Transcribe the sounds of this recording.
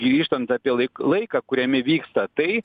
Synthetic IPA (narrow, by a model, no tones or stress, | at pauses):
ɡɾʲiːʃt̪ɐnt̪sɐːpʲiɛɐɪlˠɐɪkɐːkʊɾʲɛmʲɪʋʲiːkst̪ɐt̪ɐɪ